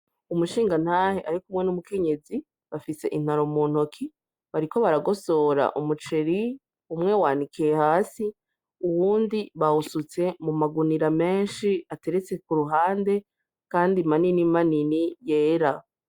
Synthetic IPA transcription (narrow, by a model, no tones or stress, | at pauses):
umuʃiːŋɡan̥haːheʔaɾikumŋe̞numuke̞ɲe̞zi | βafise̞̰ʔin̥haɾomuːn̥hokʰi | βaɾiko̞βaɾaɡo̞so̞ɾa̰ʔumut͡ʃe̞ɾi | umŋe̞waːnikʰijehaːsi | uwuːndiβahusut͡se̞mumaɡuniɾame̞ːnʃiate̞ɾet͡se̞kuɾuɦaːnde̞ | kaːndimaninimaninijeːɾa